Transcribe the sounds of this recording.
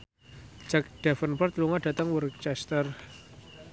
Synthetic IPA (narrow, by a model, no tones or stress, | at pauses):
d͡ʒ̥ak̚ɖ̥afənpərt̪luŋaɖa̤t̪əŋwərkt͡ʃɛst̪ər